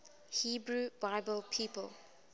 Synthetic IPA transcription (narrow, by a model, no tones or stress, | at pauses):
hiːbɹubaɪbəlˠpʰiːpə̰l